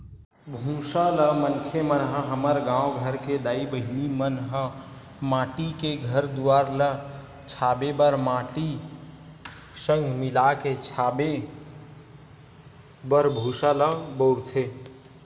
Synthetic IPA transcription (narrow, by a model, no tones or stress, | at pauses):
bʱũsaləmənkʰemənɦə̃ɦəməɾɡãwɡʱəɾked̪aibəɦinimənɦə̃ | mãʈikeɡʱəɾd̪uaɾlə | t͡ʃʰabebəɾmãʈi | sə̃ŋɡʱmilaket͡ʃʰabe | bəɾbʱũsaləbəʊɾt̪ʰe